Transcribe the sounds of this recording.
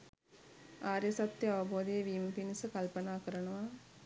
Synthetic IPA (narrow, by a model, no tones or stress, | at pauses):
aːɾjəsat̪jəaʋəboːd̪ejeʋiːmpinisəkɐlpənaːkəɾənəʋa